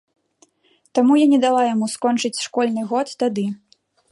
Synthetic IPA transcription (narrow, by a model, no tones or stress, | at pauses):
t̪amujanʲɛd̪alˠajamuskɔnt͡ʂɨt͡sʲʂkɔlʲnɨɣɔt̪ːad̪ɨ